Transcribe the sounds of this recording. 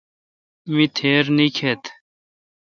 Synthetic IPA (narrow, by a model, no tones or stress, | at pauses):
mit̪ʰeːɾnikʰet̪